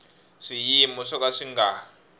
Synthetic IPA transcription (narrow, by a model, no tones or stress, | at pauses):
ʂijimɔʂɔkaʂiŋɡa